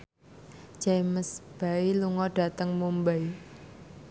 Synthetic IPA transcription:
d͡ʒaməsb̥ailuŋɔɖ̥ä̤t̪əŋmumbaj

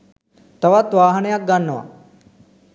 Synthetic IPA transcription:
t̪ɐʋat̪ʋaːɦɐnejak̚ɡanːəʋa̰

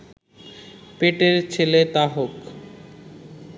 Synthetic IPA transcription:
peʈeɾt͡ɕʰelet̪aɦok

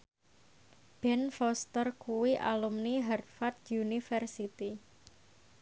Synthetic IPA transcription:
b̥ɛnfɔst̪ərkuwiʔa̰lumniɦɛrt̪̚fat̪̚junifərsit̪i

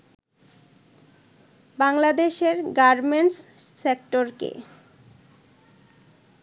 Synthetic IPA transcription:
baŋlad̪eʃeɾɡaɾmeɳʈssekʈoɾkḛ

